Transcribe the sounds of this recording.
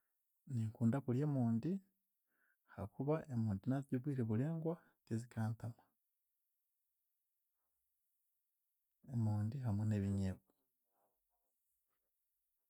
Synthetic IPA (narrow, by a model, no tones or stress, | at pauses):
niŋkuːndakuɾje̞muːndi | hakuβaʔe̞muːndinaziɟoβwiːɾeβuɾeːŋɡwa | cezikʰaːntama | emuːndiɦamwene̞βiɲeβo